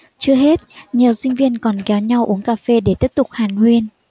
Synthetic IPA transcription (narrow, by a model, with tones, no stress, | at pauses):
t͡ɕɨ˦˧əhɦe˦˥t̚ɲi˨˩əwsï˧ŋ̟vi˧ənkɔ˨˩nkɛ˨˦wɲa˧wʔu˨˦əŋkaː˧fe˧ɗe˧˩t̪i˦˥əp̚t̪ʊ˨˩k͡p̚haː˨˩nhwi˧ən